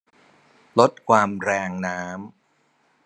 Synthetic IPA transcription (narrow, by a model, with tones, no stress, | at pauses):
lo˦˥t̪̚kʰwaː˧mɾɛː˧ŋnaː˦˥m